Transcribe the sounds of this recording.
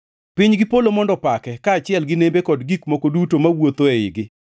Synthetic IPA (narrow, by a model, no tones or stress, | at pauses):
pɪɲɡɪpolomɔndɔpakɛkaːt͡ʃɪɛlɡɪnembekɔdɡikmokodutomawot̪oeɪɡɪ